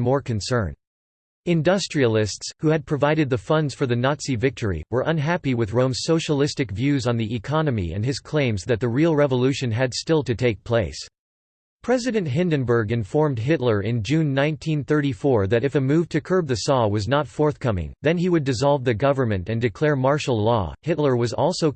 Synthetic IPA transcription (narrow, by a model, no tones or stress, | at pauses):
mɔɹkɨ̃nsɜ̃˞n | ɨ̃ndʌstɹ̥il̩ˠɪstshuɨd̚pʰɹ̥ɨvaɪɾɨd̪̚ðɨfʌ̃ndz̥fə˞ðɨnɑtsivɪk̚tʰə˞ḭwə˞ʔʌ̃nɦæpiwɨðɹõʊ̃mz̥soʊʃəlɪstɨkvjʉzn̩ðiʔɨkʰɑnɨmḭɨ̰̃ndɨz̥kʰl̥ẽɪ̃mzðɨt̪̚ðɨɹilˠɹɛvəlʉʃɨ̃nɨdstɪlˠtɨtʰeɪk̚pʰl̥eɪs | pʰɹ̥ɛzɨɾɨ̃ntɦɪ̃ndɨ̃nbə˞ɡɨ̃ɱfɔɹmd̚ɦɪtˡlə˞ɪ̃nd͡ʒʉ̃nːãɪ̃ntʰĩnθɜ˞ɾifɔɹðɨɾɨfɨmʉv̥tʰɨkʰɜ˞b̚ðɨsɔwʌznətfɔɹθkʰʌmɪ̰̃ŋðɨ̃niwɨdɨzɑlˠvðɨɡʌvə˞mɨ̃ntɨ̃ndɨkʰl̥ɛɹmɑɹʃl̩ˠlɔ̰hɪtˡlə˞wʌzɔ̰lˠsoʊ